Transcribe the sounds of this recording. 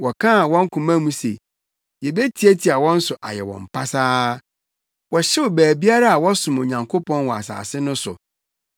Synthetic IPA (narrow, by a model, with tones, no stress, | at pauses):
wɔ˨kʰã˦˨wɔ̃˦ŋ̩˦kʰʊ̃˨mã˦mũ˦se˨ | je˨be˦tʰi˨˦æ˦tʰi˨a˨wɔ̃˦n̩˦sʊ˨ʔa̰˨jɛ˨wɔ̰̃˨mpʰa˦saː˦ | wɔ˨ɕɛ˦ʊ˨bæː˨bi˦a˦ɾa˦a˨wɔ˦sʊ̃˨mo˨ɲã˨ŋkʰo˦pʰɔ̃˦nwɔ˨a̰˨sa̰ː˨sɪ˦nʊ̃˦sʊ̰˨